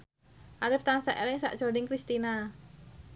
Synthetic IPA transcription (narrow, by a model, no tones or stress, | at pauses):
ʔaɾɪft̪ansaʔɛlɪŋsa̰ʔt͡ʃoɖɪŋkɾist̪ina